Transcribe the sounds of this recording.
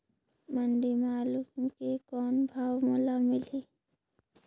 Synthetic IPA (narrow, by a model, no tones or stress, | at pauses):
məɳɖimaːlʊkmkekɔːnbʱaːwmolamɪliː